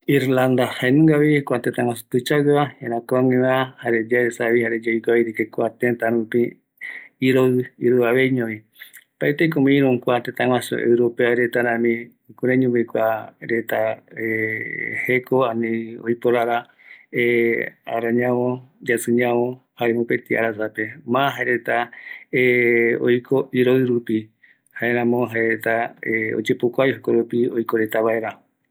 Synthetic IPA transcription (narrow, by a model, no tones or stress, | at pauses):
iɾland̪ahaenũŋɡaβikʷat̪et̪aŋãsot̪ut͡ʃaɨβahẽɾãkoamĩβahaɾed͡ʒaɾesaβihaɾed͡ʒaikaiɾikekwat̪ent̪aɾũpĩ | iɾoiɾuaβeiɲõβi | paet̪ekomĩɾũŋkʷat̪et̪aŋwãso̰ʔḛwɾopeaɾet̪aɾãmĩ | kuɾeɲũbekʷaɾet̪aehekoaniojpoɾaɾa | ea̰ɾaɲãβõd͡ʒasɨ̃ɲãõhaemõpet̪ia̰ɾasape̞maɦaeɾe̞t̪aeo̰jkʰoiɾoɨɾupi | haeɾãmõɦaeɾet̪aeo̰d͡ʒepokʷajɦokoɾupiojkoɾet̪aβaeɾao